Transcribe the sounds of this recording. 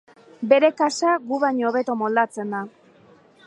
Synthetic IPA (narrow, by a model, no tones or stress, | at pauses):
be̞ɾe̞kasaɡuβaɲo̞ːβe̞t̪o̞mo̞ld̪at͡se̞nd̪a